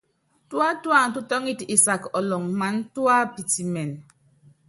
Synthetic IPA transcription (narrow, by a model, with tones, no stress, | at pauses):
twa˦twa˦˨n̩˨tu˦tɔ˦ŋi˦˨ti˦˨sa˨kɔ˨lɔ˨ŋma˨˦n˦twa˦pi˨ti˨mɛ˨n